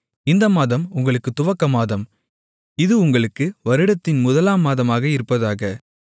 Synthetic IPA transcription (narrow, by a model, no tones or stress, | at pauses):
ɪnd̪ɐmaːðɐmʊŋɡɐɭɯkːɯt̪ːʊʋɐkːɐmaːðɐm | ɪðɯʊŋɡɐɭɯkːɯʋɐɾɪɽɐt̪ːɪnmʊðɐlaːmaːðɐmaːɣɐɪɾɯpːɐðaːɣɐ